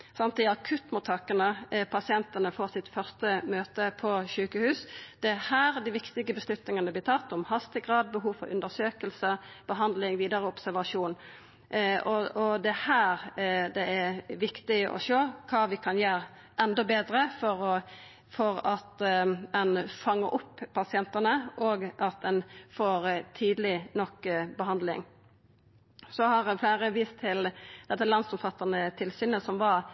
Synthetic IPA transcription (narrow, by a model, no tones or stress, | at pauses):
sɑnt̪ɪɑkʰʉt̪ːmʊt̪ʰːɑkənəpʰɑsɪɛnt̪ənəfoːɾsɪt̪fœʁst̪əmøːt̪əpʰɔʃʉːkəhʉːsd̪̥ɛhæːɾd̪ɪʋɪkt̪ɪɡəbəslʉt̪nɪŋənəblɪːɾt̪ʰɑt̪ːʊmhɑst̪ɪɡʁɑːd̪̚bəɦuːʋfɔ̰ɾʉ̰nd̪əʁsøːkəlsəb̥əɦɑnd̪lɪŋʋiːd̪ɑɾəɔbsæɾʋɑʂuːn | ɔɔd̪ɛhæːɾd̪ɛæʋɪkt̪ɪʔɔ̰ʃoːkʰɑːʋɪkʰɑnjæːɾ | ʔɛnd̪ɔbeːd̪ɾəfɔɾɔ | fɔɾɑt̪ɛnfɑŋːəɾʔʊpːpːɑsɪɛnt̪ɑnəʔoːɡʔɑt̪̚d̪ɛnfoːɾt̪ʰiːd̪lɪnɔkːbəɦɑnd̪lɪ̰ŋ | sɔhɑʁflæːɾəʋiːst̪ʰːɪld̪̥ɛt̪ːəlɑnsɔmfɑt̪ːɑnət̪ʰɪlsyːnəsɔmʋɑɾ